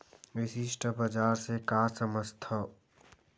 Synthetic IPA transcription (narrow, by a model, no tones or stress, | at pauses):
ʋɪsɪʃʈʰəbɐd͡ʒaːɾsekaːsəməst̪ʰə